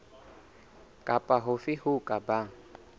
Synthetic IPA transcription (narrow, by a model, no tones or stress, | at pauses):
kʼapʼaɦʊfɪhʊkʼaba